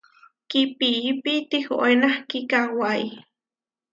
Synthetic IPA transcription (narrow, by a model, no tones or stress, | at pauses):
kipiʔipit̪iho̰ʔenahkikawai